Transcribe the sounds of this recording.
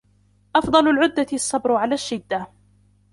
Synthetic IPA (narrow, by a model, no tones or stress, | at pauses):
ʔɑfd̪ˤɑlʊlʕʊd̪ːaɪsˤːɑbɾʊʕalaːʃːɪd̪ːa